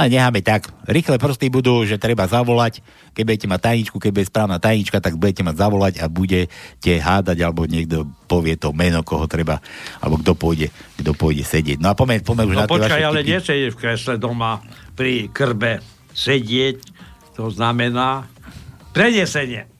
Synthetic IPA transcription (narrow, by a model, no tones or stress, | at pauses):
alɛɲɛɦaːmɛt̪akɾixlɛpr̩st̪ibud̪uːʒɛt̪ɾɛbazaʋɔlac | kɛɟ̚buɟɛcɛmac̚t̪ajɲit͡ʃkukɛɟ̚buɛspɾaːʊnaːt̪ajɲit͡ʃkat̪aɡbuɟɛcɛmaɟzaʋɔlaɟabuɟɛcɛɦaːd̪aɟalɛbɔɲɪɛɡ̚d̪ɔpɔʋɪɛt̪ɔmɛnɔkɔɦɔt̪ɾɛbaa̰lɛ̰bɔɡ̚d̪ɔpʊɔjɟɛɡd̪ɔpʊɔjɟɛsɛɟɪɛɟ̚nɔapɔmɛpɔmɛuʒnat̪pɔʋaʃkaalɛɲɪɛsɛɟɛfkɾɛslɛd̪ɔmapɾikr̩bɛ | sɛɟɪɛct̪ɔznamɛnaː | pɾɛɲɪɛsɛɲɪɛ